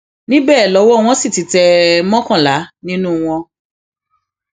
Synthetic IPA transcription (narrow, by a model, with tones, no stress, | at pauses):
nĩ˦bɛ˦˨lɔ˨˦wɔ˦˨w̃ɔ̃˧si˦˨ti˨˦tɛ˧mɔ̃˦kã˦˨la˨˦nĩ˦nũ˦w̃ɔ̃˧